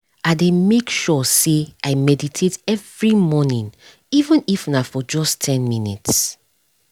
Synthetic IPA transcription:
ademekʃɔseaɪmɛditʰetɛvɹimɔnĩn | ivə̃nifnafɔd͡ʒɔstʰɛ̃nminḭts

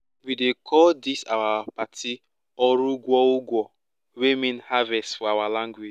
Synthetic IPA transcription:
widekʰɔdisawapatʰi | ɔɾuɡʷɔʊɡʷɔ | wemĩnhavɛstfɔawalãŋɡwed͡ʒ

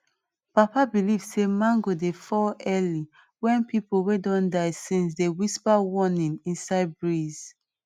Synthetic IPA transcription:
papabilivsemãnɡodefɔlɛli | wɛ̃npipowedɔ̃ndaɪsĩns̬dewispawɔnĩnĩnsaɪd̚bɹiz̥

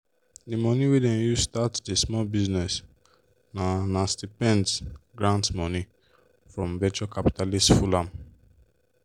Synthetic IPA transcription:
dimɔniwedɛ̃njustatdesmɔlbiznɛs | nanastipɛ̃ndɡɹãntmɔni | fɹɔ̃mvɛt͡ʃɔkapi̥talistfulãm

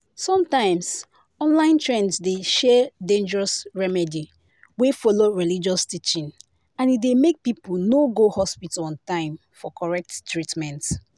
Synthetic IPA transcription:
sɔ̃mtãɪ̃ms | ɔ̃nlãɪ̃ntʰɹɛ̃nsdeʃɛdẽnd͡ʒəɹɔsɹɛmɛdi | wefɔloɹilid͡ʒɔstit͡ʃĩn | ãnidemek̚pipunoɡohɔspitalɔ̃ntãɪ̃m | fɔkɔɹɛk̚ttɹitmɛ̃nt

